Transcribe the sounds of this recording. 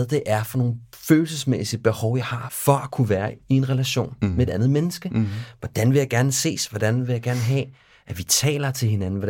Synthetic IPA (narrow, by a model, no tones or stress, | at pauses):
ðˠd̥e̝ʔæɐfɒ̽no̝ːn̩føːl̩səsmesiəb̥e̝hɒʊjɑ̈ɪhɑ̈fɒ̽ækʰuʋæːɐie̝nʁɛlæɕo̝̰ːnmeed̥ænð̩ˠmenəsɡ̥əʋɒd̥ænʋe̝jɑ̈ɪɡ̥æɐnəse̝̰ːsʋɒd̥ænʋe̝jɑɡ̥æɐnəɦɛ̰ː | ʔæʋit͡sʰɛ̰ːlɐt͡sʰe̝lɦe̝nænn̩ʋɒ̥